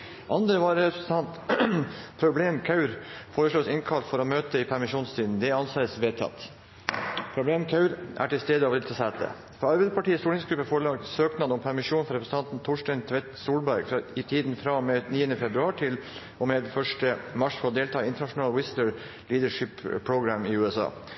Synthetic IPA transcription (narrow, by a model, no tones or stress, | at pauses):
ʔɑnd̪ɾəʋɑɾɾɛpɾəsət̪ʰɑnt̪ | pʰɾʊbleːmkʰɑʉɾfoːɾəʂloːsɪnkʰɑlt̪fɔɾɔmøːt̪əɪpʰæɾmɪʂuːnst̪ʰiːd̪n̩d̪ɛɑnsɑəsʋeːt̪ʰɑ̰t̪ː | pʰɾʊbleːmkʰɑʉɾʔæ̰ʈɪlst̪eːd̪əɑʋɾɪlt̪ʰːsæt̪ə̰ | fɔɾɑɾbɛɪd̪əpʰɑʈiːəsuːlɪŋsɡɾʉpːəfoɾɭɑːkt̪søːknɑd̪ɔmpʰæɾmɪʂuːnfɔɾɛpɾsn̩t̪ɑnt̪n̩t̪ʰʊʂʈɛɪnt̪ʰʋɛt̪suːlbæɾɡfɾɑɪt̪ʰiːd̪nfɾɑmeniːənəfɛbɾʉɑːʈʰɪl | ʔɔmeːd̪fœʂʈəmɑʂfɔɾɔd̪eːlt̪ʰɑːɪnt̪əɳɑʂʊnɑːlwɪst̪əɹ | liːd̪əʂɪppʰːɾʊɡɾæmɪʉːɛsɑ̰ː